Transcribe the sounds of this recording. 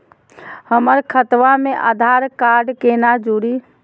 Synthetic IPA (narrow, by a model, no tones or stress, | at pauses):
həməɾkʰət̪ʋamẽʔa̰d̪ʱaɾkaɾɖkenad͡ʒuɾi